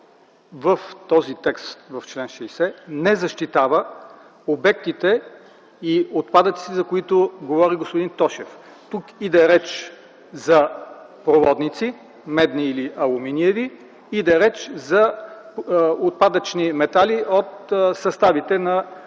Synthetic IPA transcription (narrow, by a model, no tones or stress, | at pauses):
vəft̪ɔzit̪ɛkst̪vɐft͡ʃlɛnʃɛisɛnɛzɐʃt̪it̪avə | obɛk̚t̪it̪ɛ | iot̪pad̪ət̪sit̪ɛzɐkoit̪oɡovɔɾiɡospoʊd̪int̪ɔʃɛf | t̪ukid̪ɛɾɛt͡ʃ | zɐpɾovɔd̪nit̪si | mɛd̪niiliʔɐlˠuminiɛvi | id̪ɛɾɛt͡ʃzɐ | ot̪̚pad̪ət͡ʃnimɛt̪aliʔot̪sɐst̪avit̪ɛnɐ